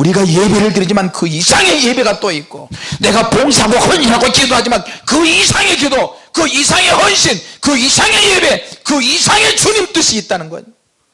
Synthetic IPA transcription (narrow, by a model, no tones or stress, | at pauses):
uɾiɡaje̞beɾɯɭtɯɾid͡ʑimankɯisʰaŋe̞je̞be̞ɡat͈oik͈o̰ne̞ɡapoŋsʰaɡohʌniɦaɡok͈idoɦad͡ʑimankɯisʰaŋe̞kodokɯisʰaŋe̞hʌnɕʰinkɯisʰaŋe̞je̞be̞kɯisʰaŋe̞t͡ɕuɲimt͈ɯɕʰiːt̚t͈anɯnɡʌ̰ɲ